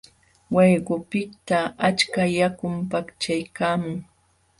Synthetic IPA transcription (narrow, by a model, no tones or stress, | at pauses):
wejɢʊpɪt̪aat͡ʃkajakʊmpakt͡ʃajkaːmʊŋ